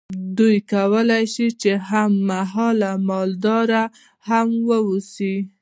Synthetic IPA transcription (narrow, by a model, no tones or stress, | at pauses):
d̪ujkawəlajʃit͡ʃehamːaɦɑlamɑld̪ɑɾa | hamwəwusi